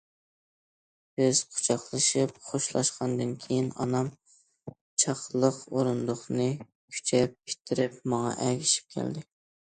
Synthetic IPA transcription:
b̥ɪz̥qʰʊ̥t͡ʃʰɑχlˠɨʃip̚χoʃlˠɑʃqʰɑnd̪ɨnkʲʰejinɑ̰nɑm | t͡ʃʰɑχlˠəqoɾund̪ʊχnɨ | kʲʰy̥t͡ʃʰɛp̚kʲʰi̥t̪ʰːɪɾɪpmɑŋɑ̰ʔɛɡʲɪʃi̥p̚kʲʰɛ̰ld̪ɪ

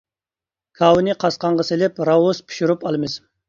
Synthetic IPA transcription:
kʰɑwnɨqʰɑsqɑɴʁɑsɪlɪpɾɑwuspʰi̥ʃuɾupɑlˠɨmɪz

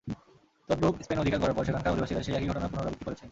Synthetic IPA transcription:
t̪ɔd̪ɾokspenod̪ʱikaɾkɔɾaɾpɔɾʃekʰankʰaɾod̪ʱibaʃiɾaʃeɛkiɡʱɔʈonapunoɾa̰bikt̪ːikoɾet͡ɕʰe

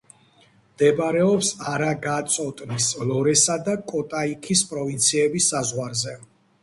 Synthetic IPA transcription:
md̪ɛbɾɛɔpsaɾaɡat̪sʼɔt̪ʼnislɔɾɛsad̪akʼɔt̪ʼaikʰispʼɾɔvint̪sʰiɛbisːazʁwaɾzɛ

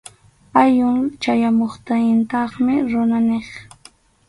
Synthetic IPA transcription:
ajʊŋt͡ʃajamoχt̪ajɪnt̪ɑχmɪɾʊnaneχ

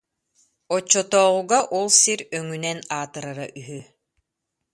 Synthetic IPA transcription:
ɔt͡ɕːɔt̪ɔːʁuɡaʔɔlˠsiɾœŋynɛnaːt̪ɯɾaɾaʔyɦy

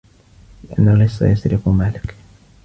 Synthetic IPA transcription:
lɪʔanːalːɪsˤːɑ̰jasɾɪfumaːlɪk

